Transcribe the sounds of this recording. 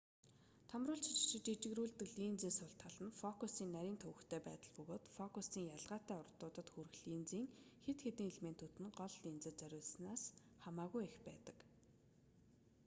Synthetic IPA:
t̪ʰamrʊːɮt͡ɕʰit͡ɕɪ̥̆t͡ɕɪ̆t͡ɕit͡ɕɪ̆ɣɾuːɮt̪ɘ̆kɮint͡siːŋsʊɬt̪ʰaɮ̥ə̆nfɔkusiːnːæɾʲiːnt̪ʰɵwɘ̆kt̪ʰeːpæ̰ːt̪ə̆ɮpɵɣoːt̪fɔkusiːŋjaɮʁaːt̪æːʊrt̪ʊːt̪ə̆t̪xuɾɘ̆xɮiːnt͡siːŋxet̪xet̪ɘ̆ŋɮmen̥t̪ʰut̪ɘ̆nɢɔɮːiːnt͡sɘ̆t͡sœɾʲʊːɮsnaːs | χamaːɣujexpæːt̪ə̥̆k

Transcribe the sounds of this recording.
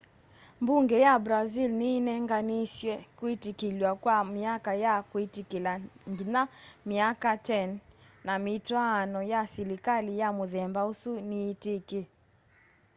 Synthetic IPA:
mbuŋɡɛjabɾazilninɛŋɡanisjwɛkuitikilwakwamiakajakuitikilaŋɡinamiakatɛn | namitwanɔjasilikalijamuðɛmbausuniːtike

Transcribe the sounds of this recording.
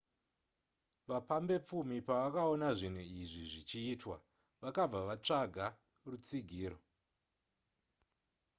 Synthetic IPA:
ʋapambe̞p͡fumipaʋakao̞naʐin̤uiʐiʐit͡ʃiːtwa̰ | ʋakab͡vaʋat͡ʂaɡʱa | rut͡siɡʱiːɾo

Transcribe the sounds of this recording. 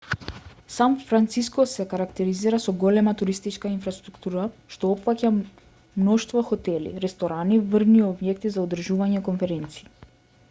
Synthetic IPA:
sanfɾant̪siskɔsɛkaɾakt̪ɛɾiziɾasɔɡɔlɛmat̪uɾist̪it͡ʃkainfɾast̪ɾukt̪uɾaʃt̪ɔɔpfaca | mnɔʃt̪vɔxɔt̪ɛlḭɾɛst̪ɔɾanivrniɔbjɛkt̪izaɔd̪r̩ʒuvaɲɛkɔnfɛɾɛnt̪si̥ː

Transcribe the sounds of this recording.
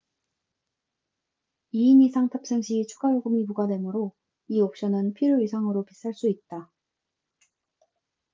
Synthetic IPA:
iːnisʰaŋtʰʌp̚s͈eŋɕʰiːt͡ɕʰuɡaɾoɡɯmipuɡadwe̞mɯɾo | iʌp̚ɕ͈ʌnɯnpʰiɾjoisʰaŋɯɾopis͈aɭs͈uit̚t͈a

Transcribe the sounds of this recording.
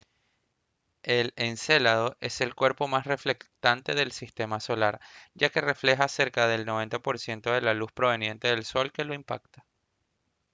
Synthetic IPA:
e̞lense̞lað̞o̞ʔe̞se̞lkwe̞ɾpo̞masre̞fle̞kt̪ant̪e̞ðe̞lsist̪e̞maso̞laɾɟ͡ʝake̞re̞fle̞xase̞ɾkaðe̞lno̞β̞e̞nt̪apo̞ɾsje̞nt̪o̞ð̞e̞laluspɾo̞β̞e̞nje̞nt̪e̞ðe̞lso̞lke̞lo̞impa̰kt̪ḁ

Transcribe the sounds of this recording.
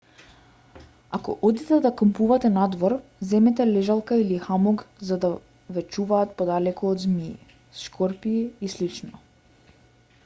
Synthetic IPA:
akɔ̰ʔɔd̪it̪ɛd̪akəmpuvat̪ɛnad̪vɔɾzɛmɛt̪ɛlɛʒalˠkailixamɔɡzad̪a | vɛt͡ʃuvaːt̪pɔd̪alɛkɔːd̪zmḭː | sʃkɔɾpiːslit͡ʃnɔ

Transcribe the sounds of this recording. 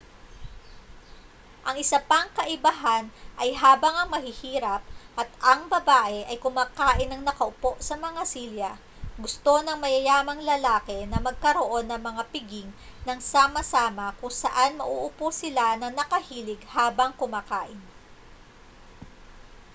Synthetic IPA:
ʔɐŋɪsɐpaŋkɐʔɪbɐɦanʔɐjɦaːbɐŋɐŋmɐɦɪhiːɾɐp̚ʔɐt̪ʔɐŋbɐbaːʔɛʔɐjkʊmaːkaːʔɪnɐŋnɐkɐʔʊpo̞ʔsɐmɐŋasiljɐ | ɡʊst̪o̞nɐŋmɐjɐjaːmɐŋlɐlaːkɛnɐmɐɡ̚kɐɾoʔo̞nːɐŋmɐŋapɪɡɪŋnɐŋsaːmɐsaːmɐkʊŋsɐʔanmɐ̰ʔuʔʊposɪlanɐnɐkɐhiːlɪɡhaːbɐŋkʊmaːkaːʔɪn

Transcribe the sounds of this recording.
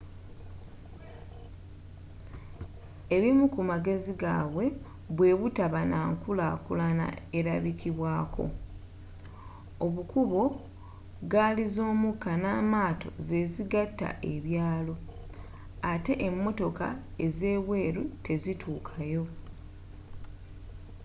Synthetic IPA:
e̞βimukumaɡe̞ziɡaːβwe̞ | βwe̞βutaβanaːŋkulakulana̰eɾaβikiβwaːkʰo̞̰ | oβukuβo̞ | ɡalizo̞ːmukːanaːmaːto̞̰ze̞ziɡatːa̰ʔe̞βjaːlo̞ | ate̞ʔemːo̞to̞ka̰eze̞ːβwe̞ːɾutʰe̞zitʰuːkʰajo̞

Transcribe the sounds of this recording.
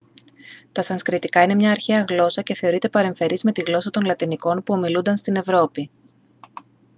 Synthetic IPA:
t̪ɐsɐnskɾit̪ikɐine̞mɲɐːɾçeɐɣlo̞sɐce̞θe̞oɾit̪e̞pɐɾe̞ɱfe̞ɾizme̞t̪iɣlo̞sɐt̪o̞nlɐt̪iniko̞npuo̞milund̪ɐnst̪ine̞vɾo̞pi

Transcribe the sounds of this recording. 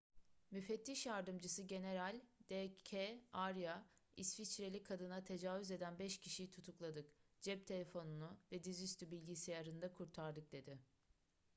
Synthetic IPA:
myfɛt̪ʰːiʃjaɾd̪ɯmd͡ʒɯsɯɟe̞ne̞ɾalʲd̪̥ecʰeaɾjaisfit͡ʃɾe̞lʲikʰːad̪ɯnat̪ʰe̞d͡ʒaːvyze̞d̪ænbɛʃcʰiʃijit̪ʰut̪ʰuklˠad̪ɯkd͡ʒɛp̚t̪ʰe̞lʲe̞fo̞nunuvɛd̪izyst̪ybilʲɟisijaɾɯnd̪akʰuɾt̪ʰaɾd̪ɯk̚d̪e̞d̪ɪ

